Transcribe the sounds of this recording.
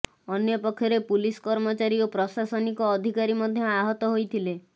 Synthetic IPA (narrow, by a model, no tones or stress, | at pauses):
ɔnjɔpɔkʰːjɔɾepuliskɔɾmɔt͡ʃaɾiɔpɾɔsasɔnikɔːd̪ʱikaɾimɔd̪ʱjɔaɦɔt̪ɔɦojt̪ʰile